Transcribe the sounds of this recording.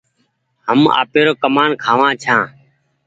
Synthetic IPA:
həma̰ːpeːɾoːkəmaːnkʰaːʋãːt͡ʃʰãː

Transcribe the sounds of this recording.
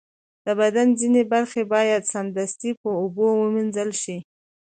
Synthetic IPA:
d̪̥əbad̪anzinebaɾxebɑjad̪sand̪ast̪ipəobowəminzəlʃi

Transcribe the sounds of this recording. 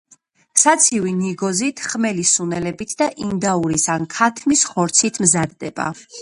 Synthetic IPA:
sat̪sʰiviniɡɔzit̪ʰχmɛlisunɛlɛbit̪ʰd̪aʔind̪auɾisankʰat̪ʰmisχɔɾt̪sʰit̪ʰmzad̪̚d̪ɛba̰

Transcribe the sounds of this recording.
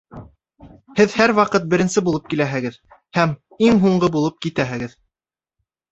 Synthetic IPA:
hɘðhæɾwɑqɤt̪̚bɘ̆ɾɘ̆nsɘbulˠɤp̚kilæɦɘ̆ɡɘð | hæm | iŋɦuɴɢɤbulˠɤp̚kit̪æɦɘ̆ɡɘð

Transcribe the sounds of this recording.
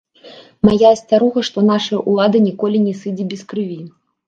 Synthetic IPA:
majasʲt͡sʲaɾuɣɐʂt̪ɔnaʂɐjɐʔulˠad̪ɨnʲikɔlʲinʲɛsɨd͡zʲibʲɛskɾɨvʲi

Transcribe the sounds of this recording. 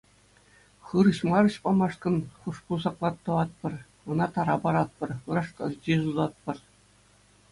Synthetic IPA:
χɯɾɤ̆ɕmɑɾɤ̆ɕpɑmɑʂkɤ̆nχuʂpuzɑklˠɑt̪ːɤ̆ʋɑt̪̚pɤ̆r | ɤ̆nɑt̪ɑɾɑpɑɾɑt̪̚pɤ̆rɯɾɑʂkɑ̰rd͡ʑezuzɑt̪̚pɤ̆r

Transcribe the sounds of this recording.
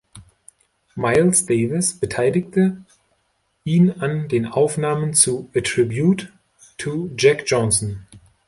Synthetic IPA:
maɪlsd̥eːvɪsb̥ətʰaɪlɪktʰə | ʔiːnandeːnʔaʊfnaːmənt͡suʔatʁ̥ɪbjut | tʰːud͡ʒɛkd͡ʒɔnsɔn

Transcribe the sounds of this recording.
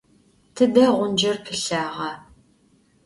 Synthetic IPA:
tʰɨdɐʁʷʊnd͡ʒɐrpʰɨɬaːʁɐ

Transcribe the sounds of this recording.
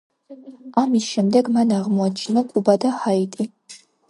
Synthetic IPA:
amisʃɛmd̪ɛɡmanaʁmuat͡ʃʰnɨkʷʼubad̪ɐħaitʼi

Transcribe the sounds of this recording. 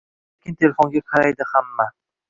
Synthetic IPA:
ekʲɪnt̪ʰelfoŋɡʲakʰaɾajd̪ɪhamːa

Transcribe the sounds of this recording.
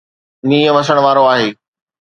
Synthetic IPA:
niːjə̃ʋɐs̬əɽ̃ʋaːɾoaːɦeː

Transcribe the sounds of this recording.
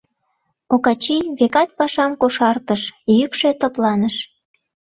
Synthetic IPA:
okɑt͡ɕiβekɑt̪̚pɑʃɑmkoʃɑrt̪əʃjykʃe̽t̪ə̆plɑnəʃ

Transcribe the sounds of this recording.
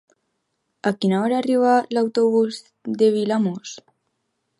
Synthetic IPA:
akinaoɾaːriβalawt̪oβuz | d̪eβilamos

